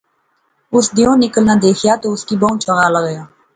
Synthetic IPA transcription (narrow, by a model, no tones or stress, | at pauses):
ʊsd̪ɪjõːnɪkəlnaːd̪eːkʰjaːt̪oːʊskiːbəũːt͡ʃʰəɡaːləɣəjaː